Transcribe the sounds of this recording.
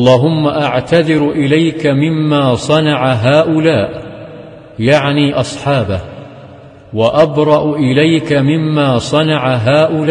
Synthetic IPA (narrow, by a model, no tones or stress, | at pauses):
ʔɑlˤːɑːɦʊmːaʔaʕt̪aðɪɾʔɪlajkamɪmːaːsˤɑnɑʕaɦaːʔʊlaːʔ | jaʕniːʔɑsˤħɑːba | waʔabɾˤɑʔʔɪlajkamɪmːaːsˤɑnɑʕaɦaːʔʊla